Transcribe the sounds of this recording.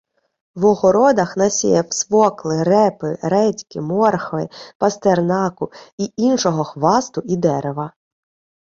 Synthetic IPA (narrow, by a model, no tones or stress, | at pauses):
ʋɔɦɔɾɔd̪ɐxnɐsʲḭjɛwsʋɔklˠɪɾɛpɪɾɛtʲkɪmɔrxɔʋɪpɐst̪ernɑkʊiinʃɔɦɔxʋɑst̪ʊid̪ɛɾeʋɐ